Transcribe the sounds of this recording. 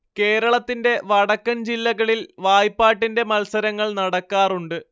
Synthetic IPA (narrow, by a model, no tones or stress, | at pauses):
ke̞ːɾɐɭɐt̪ːinde̞ʋɐɽɐkːɐnd͡ʑilːɐɣɐɭilʋaːjpːaːʈːinde̞mɐlsɐɾɐŋːɐɭnɐɽɐkːaːruɳɖɨ